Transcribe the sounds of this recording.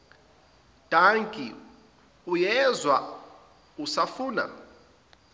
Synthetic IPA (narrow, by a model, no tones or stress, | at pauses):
d̥ʱaŋkʼi | ujɛzwa̰ | usafuːna̰